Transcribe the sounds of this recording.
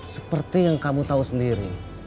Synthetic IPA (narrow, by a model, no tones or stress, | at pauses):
səpərt̪ijaŋkamut̪ausəndiɾi